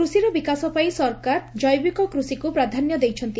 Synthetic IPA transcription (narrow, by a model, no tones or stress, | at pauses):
usiɾɔbikasɔpajsɔɾkaɾd͡ʒɔjbikɔkɾusikupɾad̪ʱanjɔd̪ejt͡ʃʰɔnt̪i